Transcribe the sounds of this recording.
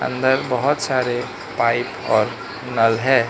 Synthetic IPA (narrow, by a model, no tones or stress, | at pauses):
ə̰̃nd̪əɾbəɦʊt̪saːɾe | paɪpɔ̰ːɾ | nəlɦɛː